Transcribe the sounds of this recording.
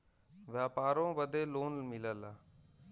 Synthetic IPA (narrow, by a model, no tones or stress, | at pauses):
ʋjaːpaːɾõːʋəd̪ʱeːloːnmɪləlaː